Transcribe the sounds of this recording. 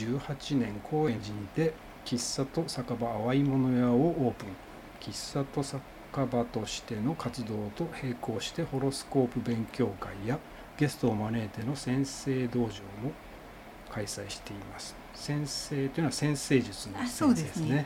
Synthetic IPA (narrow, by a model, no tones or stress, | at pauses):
ɨːhat͡ɕinẽ̞ŋkʰo̞ːẽ̞ɲd͡ʑĩnd̪e̞ | kʲisːat̪o̞sakabaːβaimo̞no̞jaoʔoːpɯ̟̃ŋ | kʲisːat̪o̞sa | kabat̪o̞ɕi̥t̪e̞no̞kat͡sɨd̪o̞ːt̪o̞he̞ːko̞ːɕi̥t̪e̞ho̞ɾo̞sɨ̥ko̞ːpɯ̟bẽ̞ŋkʲo̞ːkaija | ɡ̥e̞sɨ̥t̪o̞ːmane̞ːt̪e̞no̞sẽ̞ɰ̃se̞ːd̪o̞ːʑo̞ːmo | kaisaiɕi̥t̪e̞imasɨ̥ | sẽ̞ɰ̃se̞ːt̪ojiɯnoasẽ̞ɰ̃se̞ːʑɨt͡sɨnood̪esɨne